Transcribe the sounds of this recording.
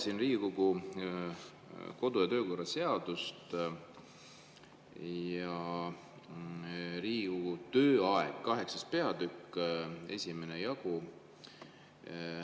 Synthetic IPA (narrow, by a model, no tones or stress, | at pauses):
sinriːkoɡu | ko̞d̪̥ujɑt̪ø̞ːko̞rːɑse̞ɑd̪̥ust̪ | jɑ | ɾiːkoɡut̪ø̞ːɑeɡ̥kːɑɦe̞ksɑspe̞ɑd̪ykːˑe̞̰sʲime̞nejɑɡu